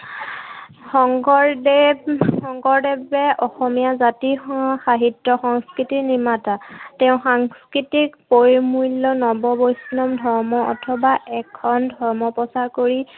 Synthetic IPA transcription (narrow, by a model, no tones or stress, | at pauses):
xɔŋɡɔɹd | xɔŋɡɔɹdɛbɛʔɔxɔmijazatixaɦitːɔxɔŋskitinimatatɛʊ̃xaŋskɹitikpojmulːɔnɔbɔbojsnɔmdʱɔɹmɔɔ̰tʰɔbaʔɛkʰɔndʱɔɹmɔpɔsaɹkoɹi